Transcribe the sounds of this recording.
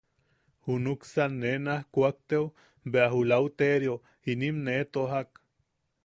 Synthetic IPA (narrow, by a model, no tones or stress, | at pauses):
hunuksanːenahkʷak̚t̪ew | beaɦulawt̪eɾjo | inimnet̪oɦak